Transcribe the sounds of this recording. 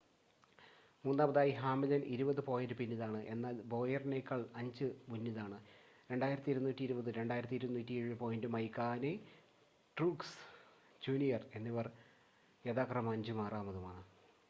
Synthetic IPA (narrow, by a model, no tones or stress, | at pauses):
muːnːaːmbɐðaːjiɦaːmɐlɐnʔiɾubɐðɨpo̞ːjɐndɨpinːiðaːɳɨʔe̞nːaːlbo̞ːjɐrnekːɐɭɐɲd͡ʑɨmunːiðaːɳɨ | ɾe̞ɳɖaːjiɾɐt̪ːiɾunːuːtːiɾubɐðɨɾe̞ɳɖaːjiɾɐt̪ːiɾunːuːtːieɻɨpo̞ːjndɨmɐjkːaːne | ʈruːks | d͡ʑuːnijɐre̞nːiʋɐr | jeðaːkrɐmɐɲd͡ʑɨmaːraːmɐðumaːɳɨ